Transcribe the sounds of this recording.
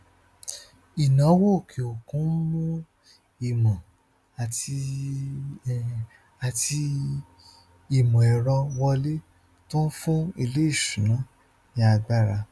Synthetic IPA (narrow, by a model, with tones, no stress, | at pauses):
i˨nã˨˦wo˦˨kʰi˨o˨kũ˨˦lũ˦ | i˨mɔ̃˨ | a˨ti˧ | a˧ti˧ | i˨mɔ̃˨ɛ˨ɾɔ˧wɔ˧le˦ | tõ˦n̩˦fũ˦i˧le˦i˦˨ʃũ˨nã˨˦ | nĩ˦a˧ɡ͡ba˦˨ɾa˧